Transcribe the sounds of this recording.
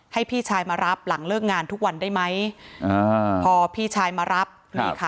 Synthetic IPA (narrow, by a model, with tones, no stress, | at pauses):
ha˥˩jpʰiː˥˩t͡ɕʰaː˧jmaː˧ɾa˦˥p̚la˨˩˦ŋlɯː˥˩k̚ŋaː˧nt̪ʰu˦˥k̚wa˧ndaː˥˩jma˦˥jː | pʰɔː˧pʰiː˥˩t͡ɕʰaː˧jmaː˧ɾa˦˥p̚ | mḭː˧˩kʰa˦˥˩